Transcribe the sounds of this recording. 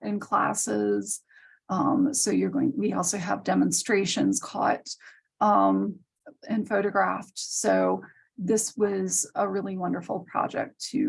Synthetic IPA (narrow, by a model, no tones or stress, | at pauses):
ɨ̃nkʰl̥æ̰sɪz̥ | ʌ̃msoʊjə˞ɡoʊɪ̃wiɔlˠsoʊə̰vdɛmə̃n̩stɹ̥eɪʃɨ̃nz̥kʰɔ̰t | ʌ̃m | ɨ̃nfoʊɾɨɡɹæftsoʊ | ðɪswʌzəɹɪlˠiwʌ̃ndə˞fl̩ˠpʰɹ̥ɑ̰d͡ʒɛ̰k̚tʰɨ